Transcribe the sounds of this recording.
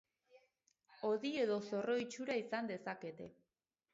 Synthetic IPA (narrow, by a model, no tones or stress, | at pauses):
o̞ðie̞ðo̞so̞ro̞it͡ʃuɾaisand̪e̞sake̞t̪e̞̰